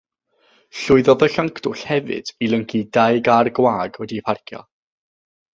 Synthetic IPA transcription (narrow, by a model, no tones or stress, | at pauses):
ɬʊɨðɔðəɬaŋkʰd̥ʊɬhɛvɨ̰d̥ilˠəŋkʰidaɨɡarɡwaːɡwɛdipʰarkʰjɔ̰